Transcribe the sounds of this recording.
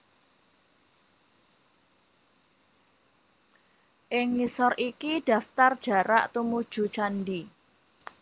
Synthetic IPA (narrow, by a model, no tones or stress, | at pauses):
ʔɪŋːisɔrʔikiɖ̥ä̤ft̪ard̥ʒ̥a̤ɾa̰ʔt̪umud̥ʒ̥ṳt͡ʃanɖi